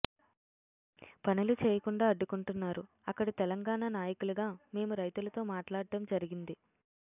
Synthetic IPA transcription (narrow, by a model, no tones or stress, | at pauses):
pɐnulut͡ʃeːjɐkuɳɖaːɐɖːukuɳʈunːaːɾu | ɐkːɐɽit̪ɛlɐŋɡaːɳaːnaːjɐkuluɡaːme̞ːmuɾɐjt̪ulɐt̪o̞ːmaːʈlaːɽɐmd͡ʒɐɾiɡind̪i